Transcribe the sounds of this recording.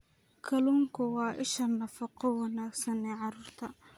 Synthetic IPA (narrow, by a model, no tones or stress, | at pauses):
kʰɐluːŋkʰʊwɑːʔɪʃɐnːɐfɐqɔwɑnaːɡsɐnɛːʕɑɾuːrt̪ʰɐ